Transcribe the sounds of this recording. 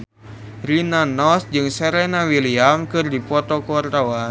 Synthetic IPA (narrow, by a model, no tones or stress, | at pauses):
rinanɔsd͡ʒɨŋsɛɾɛnawiliamkɨrdipɔt̪ɔkuart̪awa